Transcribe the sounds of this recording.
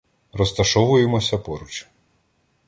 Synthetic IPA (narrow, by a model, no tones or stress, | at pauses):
rɔst̪ɐʃɔʋʊjemɔsʲɐpɔɾut͡ʃi̥